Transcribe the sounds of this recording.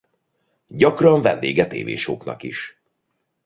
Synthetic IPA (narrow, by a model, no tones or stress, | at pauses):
ɟɒkrɒɱvɛ̰nd̪eːɡɛt̪ḛːvḛːʃoːknɒ̰kiʃ